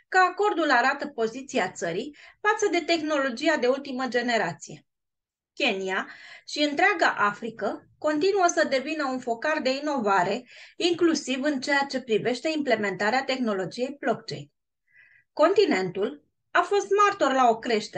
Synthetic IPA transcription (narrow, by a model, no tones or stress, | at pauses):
kəako̞rd̪ulaɾat̪əpo̞zit̪siat̪səɾifat̪səd̪e̞t̪e̞xno̞lo̞d͡ʒijad̪e̞ult̪iməd͡ʒe̞ne̞ɾat̪sije̞ | kʲe̞niaʃiɨnt̪ɾeaɡaʔafɾikəko̞nt̪inuəsəd̪e̞vinəunfo̞kard̪e̞ino̞vaɾe̞iŋklusivɨnt͡ʃe̞jat͡ʃe̞pɾive̞ʃt̪e̞imple̞me̞nt̪aɾeat̪e̞xno̞lo̞d͡ʒije̞jblo̞k̚t͡ʃe̞̰jn | ko̞nt̪ine̞nt̪ul | afo̞st̪mart̪o̞rlao̞kɾe̞ʃt̪e